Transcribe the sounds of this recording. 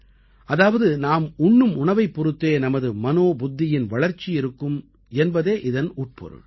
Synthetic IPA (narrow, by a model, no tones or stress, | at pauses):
ʔɐðaːʋɐðɯnaːmʊɳːɯmʊɳɐʋɐɪpːɔɾɯt̪ːeːnɐmɐðɯmɐnoːbʊd̪ːɪjɪnʋɐɭɐɾt͡ʃːɪjɪɾɯkːɯm | ɛnbɐðeːʔɪðɐnuːʈ̚pɔ̰ɾɯ̰ɭ